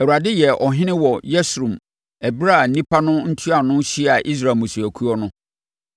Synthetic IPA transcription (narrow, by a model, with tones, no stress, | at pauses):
æ˨wu˨ɾa˨dɪ˦jɛ˨ʔɔ˨ɦɪ̃˦nɪ̃˦wɔ˨jɛ˦sɾũ˨m | æ˨bɾa˦˨n̩˦nĩ˦pʰa˦nʊ̃˦n̩˦tʰi˦a˨nʊ̃˦ɕi˦a˨ʔi˦s̬ɾaː˨mũ˨su˨æ˨kʰu˦ɔ˦nʊ̃˦